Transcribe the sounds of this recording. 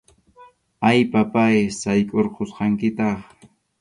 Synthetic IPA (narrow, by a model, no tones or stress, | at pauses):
ajpapajsajkʼoɾqʰosqɑŋkɪt̪ɑχ